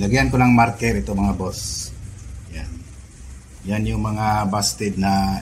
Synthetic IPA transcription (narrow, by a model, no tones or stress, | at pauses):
lɐɡihankolaŋmaɾkɛɾʔɪt̪omɐŋabos | jan | janjʊŋmɐŋabast̪ɪd̪̚na